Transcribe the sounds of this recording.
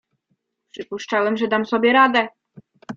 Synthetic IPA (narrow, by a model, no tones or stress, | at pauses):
pʂɘpuʂt͡ʂawɛmʐɛd̪amsɔbʲjɛɾad̪ɛ